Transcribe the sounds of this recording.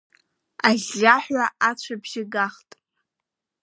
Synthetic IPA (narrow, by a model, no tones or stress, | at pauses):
aɮʲaħʷaʔat͡ɕʷʰabʒɪɡaχtʼ